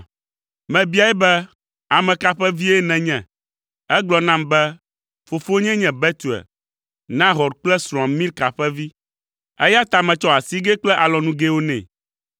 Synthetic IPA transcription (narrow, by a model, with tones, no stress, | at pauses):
mɛ̃˨bi˦a˨˦ɛ˦bɛ˦ | a˨mɛ̃˨ka˨ɸɛ˦vi˦ɛ˦nɛ̃˨ɲɛ̃˨ | ɛ˦ɡ͡blɔ˨nã˦mbɛ˦ | fo˨fo˦ɲɛ̃˦ɲɛ̃˨bɛ˦t̪u˨ɛ̰˨ | nã˦ɦɔ˨ɾk͡plɛ˦sɾã˨mmĩ˦lka˨ɸɛ˦vi˦ | ɛ˦ja˦t̪a˨mɛ̃˨t͡ʃɔ˦a˨si˦ɡe˦k͡plɛ˦ʔa˨lɔ˨nũ˦ɡe˦wo˦nɛ̰̃˨